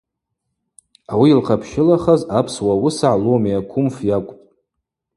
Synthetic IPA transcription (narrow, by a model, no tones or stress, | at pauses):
awiːlqʰapʰʃɪlaχazapʰswawʊsaʕlomiakʷʰʊmfjakʷʼpʼ